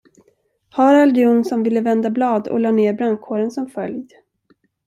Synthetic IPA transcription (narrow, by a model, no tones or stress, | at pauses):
hɑɾald̪ɪuːnsɔmvɪlːəvɛnd̪ablɑːd̪ɔ̰lɑːneːɾbɾankʰoːɾənsɔmfœljd̪